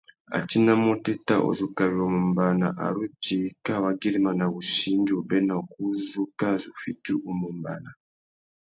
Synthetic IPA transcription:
a̰˨ti˦na˦mɔ˦tɛ˦ta˦˨ʔo̰˨zu˨ka˨βi˨ɔ˨mɔ˨mba˨na̰˨ʔa̰˨ɾu˦ti˦ka˦˨wa˨ɡi˦li˦ma˨na˨bu˨ʃi˦ndu˨bɛ˦na˨ku˦zu˦ka˦zu˨fi˦tu˦ʔu˨mɔ˨mba̰˨na˨

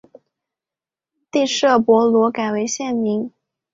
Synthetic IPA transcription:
t̪i˥˧ʂɤ˥˩pwɔ˧˥lwɔ˧˥ka˨˩ɪwe˧˥ɪɕjɛ˥˩nmi˧˥ŋ

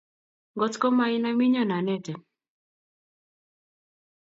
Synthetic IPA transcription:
ŋɡɔ˦tkɔ˦ma˦i˦na˦mi˦ɲɔ˦˨na˨nɛ˦tɛ˨

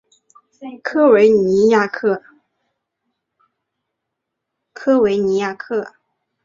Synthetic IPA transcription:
e˥˩ɪkʰɤ˥we˧˥ɪni˧˥ja˥˩kʰɤ˥˩ | kʰɤ˥we˧˥ɪni˧˥ja˥˩kʰɤ˥˩

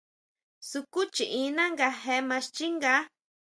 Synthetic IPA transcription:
su˧ku˦t͡ʃi˨ĩ˧˦nã˦ŋɡa˧he˧mã˧ʃt͡ʃi˦ŋɡa˦

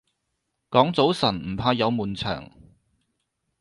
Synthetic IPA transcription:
kɔː˨˥ŋt͡so˨˥wsɐ˨˩nm̩˨˩pʰaː˧jɐ˨˧wmuː˨nt͡sʰœ̰ː˨˩ŋ

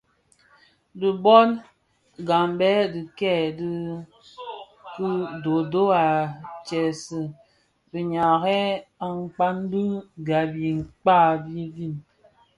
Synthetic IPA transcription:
di˨bɔ˦n | ɡa˨mbɛ˦di˨kɛ˦˨di˦ | kɨ˦do˨do˦a˨t͡ʃɛ˨sɨ˨ | bi˨ɲa˨ɣɛ˦a˨ŋ˦˨k͡pa˦n˦dɨ˦ɡa˨bi˨ŋ̩˨k͡pa˦˨bi˦ɡi˦˨n

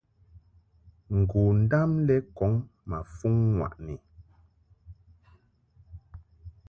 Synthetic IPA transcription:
ŋ̩˨ɡu˨n̩˦da˦mlɛ˦kɔ˨˦ŋma˨fu˦ŋːwa̰˨ʔni˨

